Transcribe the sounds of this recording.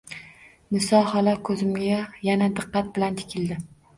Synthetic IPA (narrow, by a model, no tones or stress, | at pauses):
mɪsɒhalakʰɵzɪmɡʲajanad̪ɨqːɑt̪̚bɪlant̪ʰɪ̥kʲʰɪld̪ɪ